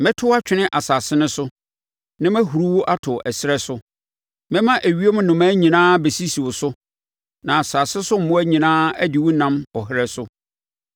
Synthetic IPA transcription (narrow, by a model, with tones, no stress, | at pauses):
mɛ̃˦tʰʊ˦a˦t͡ɕᶣɪ˦nɪ̃˦ʔa˨sa˨sɪ˦nʊ̃˦sʊ˦ | nã˦mæ̃˦ɦu˨ɾu˦wʊ˦ʔa˦tʰʊ˨ʔɛ˨sɪ˦ɾɛ˦sʊ˦ | mɛ̃˦mã˦ʔæ˨ɥi˦e˦mʊ̃˦nʊ̃˨mæ̃ː˦ɲĩ˨nãː˦be˨si˦si˨wʊ˨sʊ˦ | nã˨a˨sa˨sɪ˦sʊ˦m̩˨mʊ̃˦æ˦ɲĩ˨nãː˦æ˦dɪ˨wʊ˦nã˦mɔ˨ɦɪ˦ɾɛ˦sʊ˦